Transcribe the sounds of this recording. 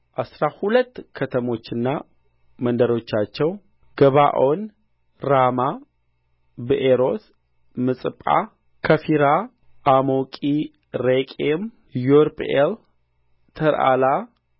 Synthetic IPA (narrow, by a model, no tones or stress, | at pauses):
ʔasɾahulət̪ːkʰət̪ʰəmo̞t͡ʃːɨnːa | mənd̪əɾo̞t͡ʃːat͡ʃːɛw | ɡ̥əβaʔo̞n | ɾama | bɨʔeɾo̞s | mɨsʼɨpʼːa̰ | kʰəfiɾa | ʔamokʼi | ɾekʼem | joɾpʰʼʔel | t̪ʰəɾʔa̰la